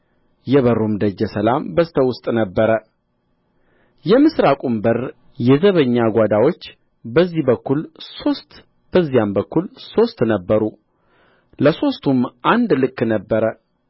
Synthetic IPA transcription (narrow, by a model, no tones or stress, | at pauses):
jɛβərumd̪əd͡ʒːɛsəlambəst̪ʰəwʊst̪ʼnəbːəɾə | jɛmɨsɾakʷʼumbər | jɛzəβəɲːaɡʷad̪awo̞t͡ʃː | bəzːihbəkːulsost̪ | b̥əzːijambəkːulso̞st̪nəbːəɾu | ləso̞st̪ʰumʔand̪lɨkːnəbːəɾə